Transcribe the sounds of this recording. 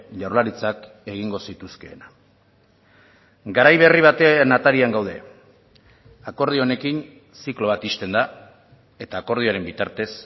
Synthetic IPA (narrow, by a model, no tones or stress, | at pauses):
ʎawɾlaɾit͡sak | e̞ɣiŋɡo̞sit̪uske̞ːna | ɡaɾajβ̞e̞riβ̞at̪e̞nat̪aɾiaŋɡawð̞e̞̰ | ako̞ɾð̞io̞ne̞kin | siklo̞β̞at̪ist̪e̞nd̪a | e̞t̪aːko̞ɾð̞io̞aɾe̞mbit̪aɾt̪e̞s